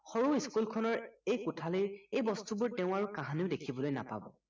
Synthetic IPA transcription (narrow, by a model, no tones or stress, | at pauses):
xɔɹuiskulkʰɔnɔɹejkutʰaliɹejbɔstubʊɹteʊ̃aɹukaɦaniʊdekʰibɔlojna̰pa̰bɔ̰